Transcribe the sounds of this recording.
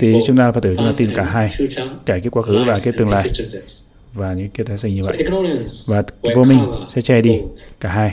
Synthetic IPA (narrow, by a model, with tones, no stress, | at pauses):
t̪ʰi˨˩t͡ɕʊ˧˦ŋ͡mnaː˧˨faː˨˧˥t̪ɨ˧˩t͡ɕʊ˧ŋ͡mnaː˧t̪i˧˩nkaː˧˩ɦaː˧jkaː˧˩ki˧˦˥ət̚kwaː˧˦xɨ˨˦vaː˨˩ki˧˦˥ət̪ɨ˨˩əŋla̰ː˧˨jj | vaː˨˩ɲɨ̰˧˥ŋki˧˦ət̪ʰaː˨˦jsɲi˧˨və̰˧˨vaː˨˩vo˧mï˧ŋ̟sɛ̰˧˥t͡ɕɛ˧˩ɗi˧kaː˧˩ɦaː˧j